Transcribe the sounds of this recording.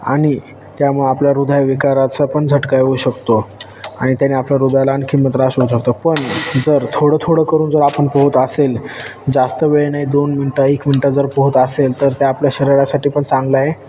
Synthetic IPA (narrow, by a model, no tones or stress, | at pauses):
a̰ɽ̃i | t̪jamuɭeapljaɾud̪ʱajʋikaɾat͡səpəɳd͡zʱəʈkajɦouɕəkt̪o | aɽ̃it̪janiːapljaɾud̪ʱajlaːnkʰiːmət̪ɾaɕɦouɕək̚t̪opəɳd͡zəɾt̪ʰoɽəːt̪ʰoɽəːkəɾuːnd͡zəɾapəɳpəɦut̪aseld͡zast̪əʋeɭɳajd̪onminʈaekminʈad͡zəɾpəɦut̪aselt̪əɾt̪jaːpljaɕəɾəɾasaʈiːpəɳt͡sãŋɡlaje